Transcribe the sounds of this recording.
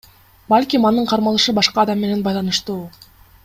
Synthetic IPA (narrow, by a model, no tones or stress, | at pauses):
balʲkʲimɑnɯɴqʰɑɾmɑlˠɯʃɯbɑʃqɑːd̪ɑmːe̞ne̞nbɑjlˠɑnɯʃt̪uː